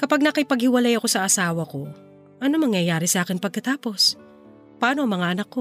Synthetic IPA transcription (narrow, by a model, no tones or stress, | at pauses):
kɐpaɡ̚nɐkɐjpɐɡ̚hɪwɐlajɐko̞sɐʔɐsaːwɐko̞ | ʔɐnomɐŋjɐjaːɾɪsɐʔaːkɪnpɐɡ̚kɐt̪aːpo̞s | pɐʔaːno̞ʔɐŋmɐŋaʔɐnakːo̞